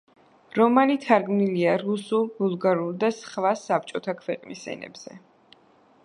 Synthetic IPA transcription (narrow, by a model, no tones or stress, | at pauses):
ɾɔmalit̪ʰaɾɡmniliaɾusulˠbulˠɡaɾulˠd̪asχvasːap̚t͡ʃʼɔt̪ʰakʰvɛqʼnḭsɛ̰nɛ̰bz̥ɛ̰